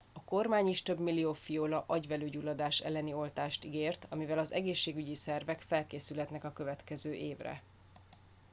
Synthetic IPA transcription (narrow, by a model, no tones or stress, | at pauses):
ɒko̞rmaːɲiʃt̪ø̞bmilːioːfijoːlɒʔɒɟvɛløːɟulːɒd̪aːʃɛ̰lːɛnio̞lt̪aːʃt̪iɡeːrt̪ɒmivɛlɒzɛ̰ɡeːʃːeːɡyɟisɛrvɛkfɛlkeːsylɦɛt̪nɛkɒkø̞vɛt̪kɛzøːʔeːvrɛ̰